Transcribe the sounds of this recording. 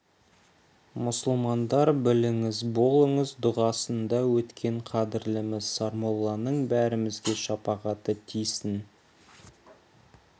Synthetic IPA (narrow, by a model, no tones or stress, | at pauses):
mʊsəlˠmɑnd̪ɑɾbɪlɪŋɪzbo̞lˠəɴəzd̪ʊʁɑsənd̪ɑwɵt̪kʲʰe̞ɴqʰɑd̪ɪɾlɪmɪzsɑɾmolˠːɑnəɴbæɾɪmɪzɡʲe̞ʃɑpɑʁɑt̪ət̪ʰijsɪn